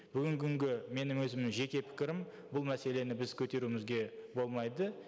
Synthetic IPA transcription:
b̥ʏɡʲɪŋkʲɪɪŋɡʲɪme̞nɪmwɵzɪmɪnʒe̞kʲe̞pʰɪ̥kʲɪɾɪm | bʊlˠmæse̞le̞nɪbɪzkʲʰɵt̪e̞ɾumɪzɡʲe̞bo̞lˠmɑjd̪ə

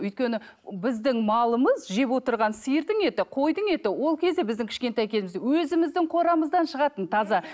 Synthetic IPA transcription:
ʏjt̪̚kʲenɪ | bɪzd̪ɪŋmɑlˠəməzʒe̞pwo̞t̪əɾʁɑnsijəɾd̪əɴe̞t̪ɪqʰo̞jd̪əɴe̞t̪ɪwo̞lˠkʲʰe̞zd̪ebɪzd̪ɪŋkʲʰɪ̥ʃkʲe̞nt̪ɑjkʲʰe̞zɪmɪzwɵzɪmɪzd̪ɪŋqʰo̞ɾɑməzd̪ɑnʃəʁɑt̪ənt̪ʰɑzɑ

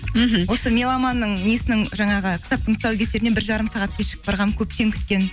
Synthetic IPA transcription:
m̩ɦ̩wo̞səmʲe̞lˠɑmɑnːəɴnijesɪnɪŋʒɑɴɑʁəkʲʰɪ̥t̪ɑp̚t̪əɴt̪ʊ̥sɑwkʲʰese̞ɾɪnebɪɾʒɑɾəmsɑʁɑt̪kʲʰe̞ʃɪ̥ɪbɑɾʁɑnkʲʰɵp̚t̪e̞ŋkʲʰʏ̥t̪̚kʲe̞n

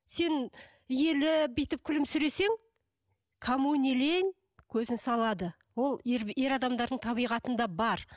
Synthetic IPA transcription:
se̞n | je̞lɪbejt̪ɪp̚kʲʰʏlɪmsʏɾe̞se̞ŋ | kʰomunʲileŋ | kʲʰɵzɪnsɑlˠɑd̪ə | wo̞lˠeɾe̞ɾɑd̪ɑmd̪ɑɾd̪əɴt̪ʰɑβijʁɑt̪ənd̪ɑbɑɾ

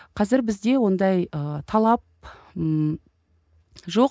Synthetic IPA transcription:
qʰɑzɪɾbɪzd̪e̞wo̞nd̪ɑjət̪ʰɑlˠɑp̚ | ʒo̞q

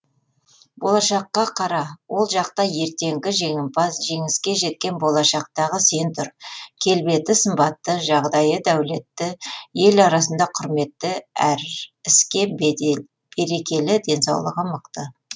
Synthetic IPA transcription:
bo̞lˠɑʃɑqːɑqʰɑɾɑwʔo̞lˠʒɑqt̪ɑje̞ɾt̪e̞ŋɡʲɪʒe̞ŋɪmpɑsʒe̞ŋɪskʲe̞ʒe̞t̪̚kʲe̞nbo̞lˠɑʃɑq̚t̪ɑʁəsent̪ʰʊɾkʲʰe̞lbe̞t̪ɪsəmbɑt̪ːəʒɑʁd̪ɑjəd̪æwle̞t̪ːɪje̞lɑɾɑsənd̪ɑqʰʊɾme̞t̪ːɪæɾɪskʲe̞ | b̥e̞ɾe̞kʲe̞lɪd̪e̞nsɑwlˠə̰ʁɑməqt̪ə

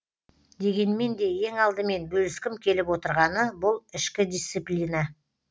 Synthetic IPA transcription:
d̪e̞ɡʲe̞nme̞nd̪e̞je̞ŋɑlˠd̪əme̞nbɵlɪskʲɪmkʲʰe̞lɪpwo̞t̪əɾʁɑnəbʊlˠɪʃkʲɪd̪ʲijst̪sijplʲina

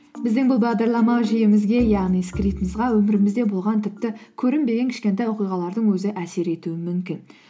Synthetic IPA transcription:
bɪzd̪ɪŋbʊlˠbɑʁd̪ɑɾlˠɑmɑwʒɪjɪmɪzɡʲe̞jɑʁnijskɾit̪əməzʁɑwɵmɪɾɪmɪzd̪e̞bolˠʁɑnt̪ʰɪp̚t̪ɪkʲʰɵɾɪmbe̞ɡʲeŋkʲɪ̥ʃkʲe̞nt̪ɑjoqijʁɑlˠɑɾd̪əɴwɵzɪʔæse̞ɾe̞t̪uɪmʏmkʲɪn

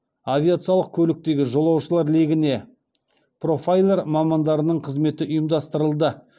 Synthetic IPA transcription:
avʲijat̪sɨjɑlˠəq̚kʲʰɵlɪk̚t̪e̞ɡʲɪʒo̞lˠɑwʃəlˠɑɾle̞ɡʲɪne̞ | pʰro̞fajlˠe̞ɾmɑmɑnd̪ɑɾənəɴqʰəzme̞t̪ɪʔʊjəmd̪ɑst̪əɾəlˠd̪ə

